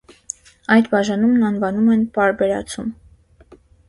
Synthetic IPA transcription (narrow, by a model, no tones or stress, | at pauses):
ɑjd̪bɑʒɑnumnɑnvɑnumɛnpɑɾbɛɾɑ̰t͡sʰum